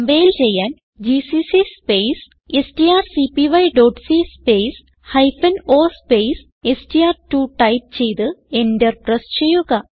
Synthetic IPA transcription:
mbejilt͡ɕe̞jːaːn | d͡ʑisisispejs | estiaːrsipiʋɐjɖoːʈsispeːs | hɐjfɐnoːspejs | estiaːrtuːʈɐjp̚t͡ɕe̞jt̪ɨenderprɐst͡ɕe̞jːuɣɐ

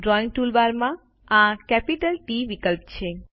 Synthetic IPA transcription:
ɖɾɔĩŋɡ̚ʈulʋaɾmã | ãkɛpiʈəlʈiʋikəlp̚t͡ʃʰe

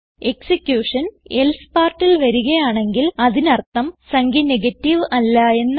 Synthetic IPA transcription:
e̞ksikːjuːʂɐnelspaːrʈːilʋɐɾuɣɐjaːɳe̞ŋɡilɐðinɐrt̪ːɐmsɐŋɡineɣɐtːiʋɐlːɐe̞nː

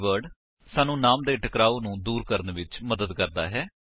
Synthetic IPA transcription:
ʋəɾɖ | saːnũːnaːmd̪eːʈəkɾaːoːnũːd̪uːɾkəɾənʋɪt͡ʃməd̪əd̪kəɾd̪a̰ːɦɛː

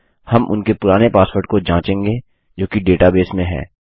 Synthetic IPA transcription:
hɐmʔʊ̰nkepʊɾaːnepaːspoɾʈ̚kod͡ʒãːt͡ʃẽːŋɡe | d͡ʒoːkiɖeːʈabeːsmẽɦɛ̰ː

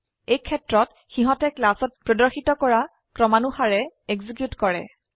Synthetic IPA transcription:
ejkʰɛtɹɔt | xiɦɔtɛklasɔt̚pɹɔdɔɹxitɔkɔɹa | kɹɔmanuxaɹɛeɡzik̬jutkɔɹɛ̰

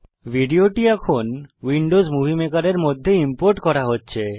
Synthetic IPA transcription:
bʱiɖioʈiɛkʰonwiɳɖozmubʱimekaɾeɾmod̪ʱːeimpoɾʈkɔɾaɦotːɕʰe

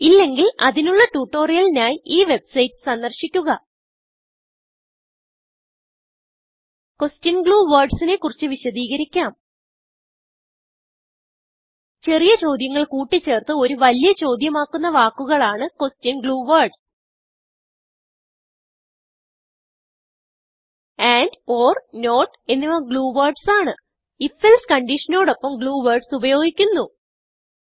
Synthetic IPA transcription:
ilːe̞ŋɡilɐðinuɭːɐʈuːʈːo̞ːrijɐlinaːjiːʋe̞bsɐjtːɨ̥sɐnd̪ɐrɕikʲːuɣɐ | ko̞stjɐnɡɭuːʋɐːrɖsine̞kːurit͡ɕːɨʋiɕɐðiːɣɐɾikʲːaːm | t͡ɕe̞rijɐt͡ɕo̞ːd̪jɐŋːɐɭkuːʈːit͡ɕːe̞ːrt̪ɨo̞ɾuʋɐlijɐt͡ɕo̞ːd̪jɐmaːkːunːɐʋaːkːuɣɐɭaːɳɨkostinɡɭuːʋɐrɖs | aːndoːrno̞ːʈː | e̞nːiʋɐmɡɭuːʋɐrɖsaːɳɨ | ifelskɐɳɖiʂɐno̞ːɽo̞pːɐmɡɭuːʋɐrɖsubɐjo̞ːɡikʲːunːu

